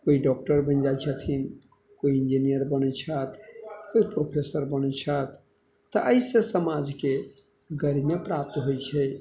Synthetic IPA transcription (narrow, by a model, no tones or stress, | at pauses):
koiɖɔk̚ʈəɾbə̃nd͡ʒat͡ʃʰət̪ʰin | koiind͡ʒinijəɾbənɛt͡ʃʰət̪ʰkoipɾopʰesəɾbənɛt͡ʃʰət̪ː | ɔʔəjsesəmad͡ʒke | ɡəɾimepɾap̚t̪ɦojt͡ʃʰɛ